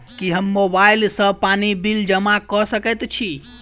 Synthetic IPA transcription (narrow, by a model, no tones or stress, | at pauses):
kiɦəmːobailsə̃panibild͡ʒəmakɔsəkɛt̪t͡ʃʰi